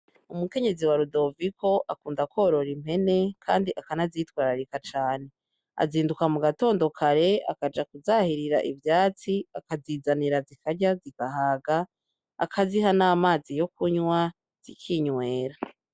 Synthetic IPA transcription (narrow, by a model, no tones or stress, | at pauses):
umuke̞ɲe̞ziwaɾudo̞vikʰo̞ʔakuːndakoːɾo̞ɾim̥he̞ne̞kʰaːndiʔakanazitwaːɾaɾikat͡ʃaːne̞ | a̰ziːndukamuɡato̞ːndo̞kʰaɾe̞a̰kad͡ʒakuzahiɾiɾa̰ʔivjaːt͡siakaziːzaniɾazikʰaɟaziɡ̥aɦaːɡa̰ː | kʰaziɦanaːmaːzijo̞kuɲwa | z̥ḭkʰiɲwe̞ːɾa